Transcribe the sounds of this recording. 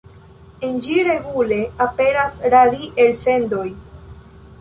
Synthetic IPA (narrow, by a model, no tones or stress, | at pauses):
end͡ʒiɾe̞ɡule̞ape̞ɾasɾadiʔelse̞ndo̞j